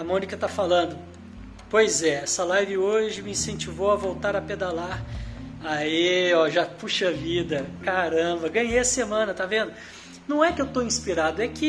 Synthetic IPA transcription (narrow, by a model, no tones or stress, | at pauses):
amõnikɐt̪afalɐ̃nd̪ʊ | pojzɛɛsɐlajvɪoʒɪmɪĩsẽnt͡ʃivowɐvowt̪aɾɐped̪alaɾaiɔʒapuʃɐvid̪ɐkaɾɐ̃bɐɡɐ̃ɲejɐsemɐ̃nɐt̪avẽnd̪ʊ | nɐ̃w̃ɛkɪewt̪oĩspiɾad̪ʊɛkɪ